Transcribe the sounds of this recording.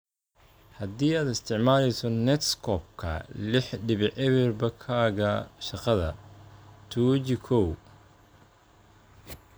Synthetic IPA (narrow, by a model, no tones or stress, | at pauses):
hɐd̪iːaːd̪ɪst̪ʰɪʕmaːlɛjsɔnɛt̪skʰɔb̚kʰɐ̰lɪħɖɪβɪʕɛβɪrbɐkʰaːɣɐʃɑqɑðɐ | t̪ʰuːt͡ʃɪkʰɔw